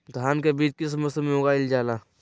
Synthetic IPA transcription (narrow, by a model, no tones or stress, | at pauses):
d̪ʱaːnkebiːt͡ʃkɪsmʊslɪmjoːɡaɪld͡ʒaːlaː